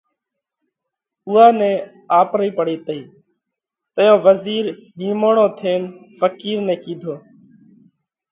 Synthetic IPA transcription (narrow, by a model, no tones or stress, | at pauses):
ʊːaːnɛ̃ː | aːpɾiːpəɽiːt̪əiː | t̪əjõːʋəziːɾɦiːmoːɳõːt̪ʰeːnfəkiːɾnɛ̃ːkiːd̪ʱoː